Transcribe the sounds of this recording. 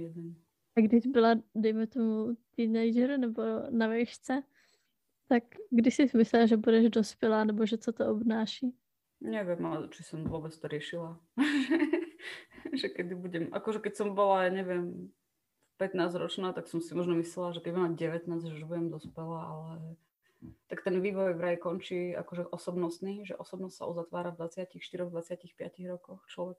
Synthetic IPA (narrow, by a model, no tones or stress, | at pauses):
jɛd̪ɛn | aɡdɪʒbɪladɛjmɛt̪omut̪inajʒɛɾnɛbonavɛʃt͡sɛ | t̪akɡdɪsɪzmɪslɛlʒɛbudɛʒdospɛlaːnɛboʒɛt͡sot̪oʔobnaːʃi | ɲɛʋɪɛmat͡ʃisɔmvɔbɛt͡st̪ɔɾɪɛʃilaʒɛ | ʒɛkɛd̪ibuɟɛmʔa̰kɔʒɛkɛcsɔmbɔlaɲɛʋɪɛm | pɛt̪naːzɾɔt͡ʃnaːt̪aksɔmsimɔʒnɔmislɛlaʒɛkɛɟbumamaɟɟɛʋɛt̪naːzʒɛuʒbuɟɛmd̪ɔspɛlaːalɛ | t̪akt̪ɛnʋiːʋɔjʋɾajikɔnt͡ʃiːa̰kɔʒɛʔɔsɔbnɔst̪niːʒɛ̰ʔɔsɔbnɔstʲsa̰ʔuzat̪ʋaːɾavd̪ʋat͡sɪacixʃt̪iɾɔɣd̪ʋat͡sɪacixpɪaciɣɾɔkɔxt͡ʃlɔʋɛk